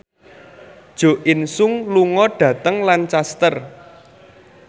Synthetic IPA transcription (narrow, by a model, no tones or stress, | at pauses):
d̥ʒ̥o̤ʔɪnsʊŋluŋɔɖ̥ä̤t̪əŋlant͡ʃast̪ər